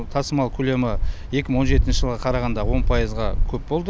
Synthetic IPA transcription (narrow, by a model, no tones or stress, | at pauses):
t̪ʰɑsəmɑlˠkʲʰɵle̞mɪje̞kʲɪməɴwoʒe̞t̪ɪnʃɪʒəlˠʁɑqʰɑɾɑʁɑnd̪ɑwo̞npʰɑjəzʁɑkʲʰɵp̚bo̞lˠd̪ə